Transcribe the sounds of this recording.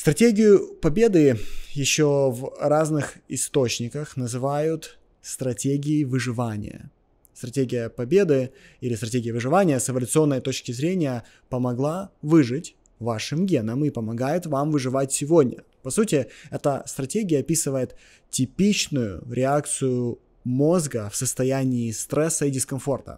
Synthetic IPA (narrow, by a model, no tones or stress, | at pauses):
st̪ɾɐtʲeɡʲɪjʊpɐbʲe̞d̪ɨjɪɕːovraznɨxɪst̪o̞t͡ɕnʲɪkəxnəzɨvajʊt̪ | st̪ɾɐtʲeɡʲɪɪvɨʐɨvanʲɪ̰jə̰ | st̪ɾɐtʲeɡʲɪjəpɐbʲe̞d̪ɨilʲɪst̪ɾɐtʲeɡʲɪjəvɨʐɨvanʲɪjəsɪvəlʲʊt̪sɨo̞nːəjət̪ot͡ɕkʲɪzɾʲenʲɪjə | pəmɐɡlˠavɨʐɨtʲ | vaʂɨmɡʲe̞nəmɪpəmɐɡajɪt̪vamvɨʐɨvatʲsʲɪvo̞dʲnʲə̰ | pɐsutʲɪɛt̪əst̪ɾɐtʲeɡʲɪjəɐpʲisɨvəjɪt̪ | tʲːɪpʲit͡ɕnʊjʊ̰ɾʲʔɪak̚t̪sɨjʊ | mo̞zɡəfsəst̪ɐjænʲɪːst̪ɾɛsːəidʲɪskɐnfo̞rt̪ə̰